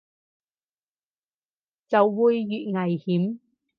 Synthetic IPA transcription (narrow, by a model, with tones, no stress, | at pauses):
t͡sɐ˨wːuː˨˩jːyː˨t̚ŋɐ˨˩jhiː˨˥m